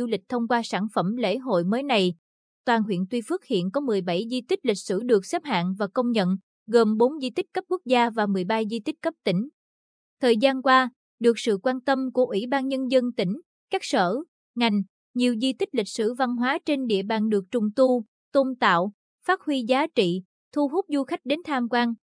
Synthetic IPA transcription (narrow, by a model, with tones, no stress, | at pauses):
u˧lï˨˩k̚t̪ʰə˧wŋ͡mkwaː˧saː˧˩nfə˧˩mlḛ˧˥ɦo̰˧˨jməː˨˦jna˨˩j | t̪waː˨˩nɦwḭ˧˨nt̪wi˧fɨ˦˥ək̚hḭ˧˨ənkɔ˨˦mɨ˨˩əjɓa˧˩jzi˧t̪i̟˦˥lï˨˩k̟̚sɨ˧˩ɗɨ˨˩ək̚sɛ˦˥p̚ha̰ː˧˨nvaː˨˩kə˧wŋ͡mɲə̰˧˨n | ɣəː˨˩mɓo˨˦nzi˧t̪ï˦˥k̟̚kə˦˥p̚ku˦˥ək̚zaː˧vaː˨˩mɨ˨˩əjɓa˧jzi˧t̪ï˦˥k̟̚kə˦˥p̚t̪ï˧˩ŋ̟ | t̪ʰəː˨˩jzaː˧nkwaː˧ | ɗɨ˨˩ək̚sɨ̰˧˨kwaː˧nt̪ə˧mku˧˩əʔwi˧˩ɓaː˧nɲə˧nzə˧nt̪ï˧˩ŋ̟ | kaː˦˥k̚sə̰ː˧˩ | ŋa˨˩jŋ̟ | ɲi˨˩əwzi˧t̪ï˦˥k̟̚lï˨˩k̟̚sɨ̰˧˩va˧nɦwaː˨˦t͡ɕe˧nɗḭ˧˨əɓaː˨˩nɗɨ˨˩ək̚t͡ɕʊ˨˩ŋ͡mt̪u˧ | t̪o˧nt̪a̰ː˧˨w | faː˦˥t̚hwi˧zaː˨˦t͡ɕḭ˧˨ | t̪ʰu˧ɦu˦˥p̚zu˧xa˦˥k̟̚ɗe˨˦nt̪ʰaː˧mkwaː˧n